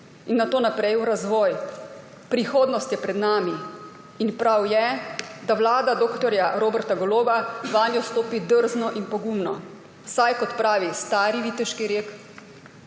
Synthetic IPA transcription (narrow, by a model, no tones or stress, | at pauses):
inːat̪oːnapɾɛjuɾazʋɔːj | pɾixoːd̪nɔst̪jɛpɾɛd̪naːmi | inpɾawjɛd̪aʋlaːd̪ad̪oːkt̪ɔɾjaɾoːbɛɾt̪aɡɔloːbaʋaːnjɔst̪oːpid̪əɾznɔʔinpɔɡumnɔ̰ | sajkɔt̪pɾaːʋist̪aːɾiʋiːt̪ɛʃkiɾeːk